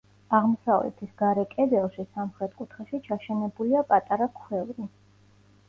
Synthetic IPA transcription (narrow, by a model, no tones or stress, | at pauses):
aʁmɔsavlɛ̰t̪ʰisɡaɾɛkʼɛd̪ɛlˠʃisamχɾɛt̪̚ʰkʼut̪ʰχɛʃit͡ʃʰaʃɛnɛbuliapʼat̪ʼaɾakʰwɛvɾi